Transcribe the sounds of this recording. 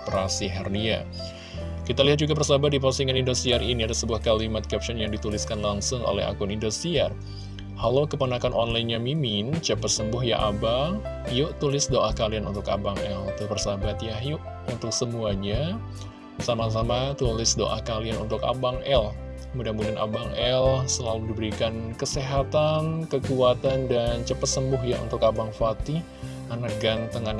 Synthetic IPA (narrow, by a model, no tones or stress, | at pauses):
pɾasiɦɛrnia̰ | kit̪aliɦat̪̚d͡ʒuɡapərsabat̪̚dipasiŋanindost̪iariniadasəbuahkalimat̪̚kɛp̚t͡ʃɔnjaŋdit̪ulɪskanlaŋsʊŋo̰lɛ̰ha̰kʊnindost̪iar | halawkəpənakanʔɔnlajnɲamimɪnt͡ʃəpəsəmbʊɦja̰ʔabaŋjʊʔt̪ulɪsdoʔahkalianunt̪ʊka̰baŋɛlt̪upərsabat̪jahjʊʔ | unt̪ʊk̚səmuaɲa | samas̬amat̪ulɪsdo̰ʔahkalianṵnt̪ʊka̰baŋɛl | mudamudana̰baŋɛlsəlaludibəɾikankəseɦat̪ankəkuat̪andant͡ʃəpət̪səmbʊhja̰ṵnt̪ʊkabaŋfat̪i | anaɡant̪əŋan